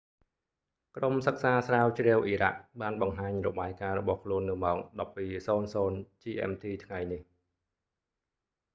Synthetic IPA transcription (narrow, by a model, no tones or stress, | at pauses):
kromsək̚saːsraːwt͡ɕrɛəwʔiːra̰ʔ̚ɓaːnɓɑŋɦaːɲrɔɓaːjkaːɾɔɓɑhkʰluənːɨ̆əmɑːk̚ɗɑpːiːsoːnsoːnt͡ɕiːʔɛ̰mt̪ʰiːt̪ʰŋajnih